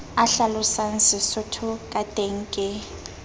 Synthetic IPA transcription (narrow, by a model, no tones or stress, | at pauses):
aɬalʊsansɪsʊtʰʊkʼad̥ʼʱeŋ̩kʼɪ